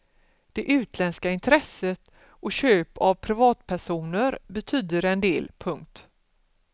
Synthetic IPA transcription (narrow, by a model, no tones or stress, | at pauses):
d̪̥ɛʔʉ̟ːt̪lɛnskaɪnt̪ʰɾɛsət̪ | ɔɕøːpavpʰɾɪvɑːt̪pʰæʂuːnəɾbɛt̪ʰyːd̪əɾɛnd̪eːlpʰɵŋk̚t̪